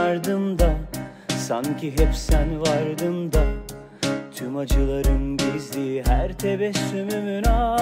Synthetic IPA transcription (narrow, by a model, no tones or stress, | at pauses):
ɾd̪ɯmd̪a | sancʰiɦɛpsænvaɾd̪ɯmd̪a | t̪ʰymad͡ʒɯlˠaɾɯnbizlʲiɦæɾt̪ʰebɛsːymymynaː